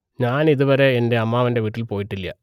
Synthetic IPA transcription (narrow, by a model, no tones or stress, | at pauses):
ɲaːniðuʋɐɾe̞ːnde̞ɐmːaːʋɐnde̞ʋiːʈːilpo̞ːjiʈːilːɐ̰